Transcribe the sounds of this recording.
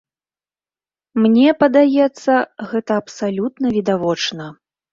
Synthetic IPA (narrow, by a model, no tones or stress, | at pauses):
mnʲɛpɐd̪ajɛt̪sːɐɣɛt̪ɐːpsalʲut̪nɐvʲid̪avɔt͡ʂnɐ